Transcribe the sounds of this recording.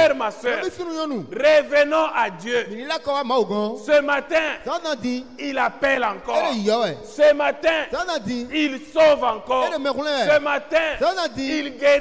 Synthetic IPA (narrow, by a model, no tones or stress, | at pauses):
ʁmasøifinũɲɔ̃nũʁevənɔ̃ʔad̪jømĩnĩlakɔwamãwuɡɔ̃səmat̪ɛ̃zãd̪ãd̪ĩilapɛlãkɔɾejɔɛsəmat̪ɛ̃zãd̪ãd̪ĩilsovãkɔːeemɛ̃kl̃ɛ̃səmat̪ɛ̃zãt̪ãd̪ĩilɡe